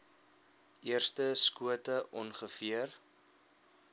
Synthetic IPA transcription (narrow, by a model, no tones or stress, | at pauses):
ʔiərstəskuətəʔɔnχəfiər